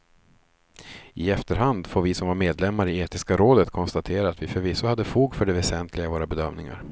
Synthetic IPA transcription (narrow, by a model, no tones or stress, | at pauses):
ɪɛft̪əɾɦand̪foːɾvɪsɔmvaɾmeːd̪lɛmːaɾɪeːt̪ɪskaɾoːd̪ət̪kʰɔnst̪at̪ʰeːɾaːt̪vɪfœɾvɪsːahad̪ːəfuːɡfœɖɛvɛsɛnt̪ʰlɪɡavoːɾabɛd̪œmnɪŋa̰ɾ